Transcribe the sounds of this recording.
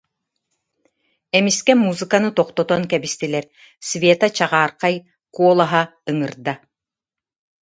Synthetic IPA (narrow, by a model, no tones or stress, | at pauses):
ɛmiskɛmuːzɨkanɯt̪ɔqt̪ɔt̪ɔnkɛbist̪ilɛɾ | svʲeːt̪at͡ɕaʁaːɾqaj | kuɔlˠaɦaɯŋɯɾd̪a